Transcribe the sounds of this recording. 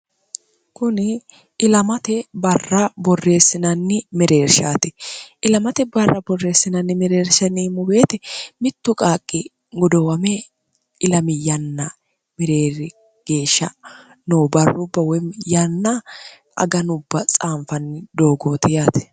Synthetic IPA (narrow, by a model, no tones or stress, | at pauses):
kʊnɪ | ɪlɐmɐt̪ɛbɐrːɐbɔrːe̞ːsːɪnɐnːɪmɛɾe̞ːɾʃaːt̪ɛʔɪlɐmɐt̪ɛbɐrːɐbɔrːe̞ːsːɪnɐnːɪmɛɾe̞ːɾʃɐnimːɔbe̞ːt̪ɛmɪt̪ːʊkʼaːkʼːɪ | ɡɔd̪ɔwɐmɛ | ʔɪlɐmɪjɐnːɐ | mɛɾe̞ːɾɪ | ɡ̥e̞ːʃːɐ | nobɐrːʊbːɐwɔmjɐnːɐ | ɐ̰ɡɐnʊbːɐt͡sʼaːɱfɐnːɪd̪o̞ːɡoːt̪ɪjat̪ɛ̥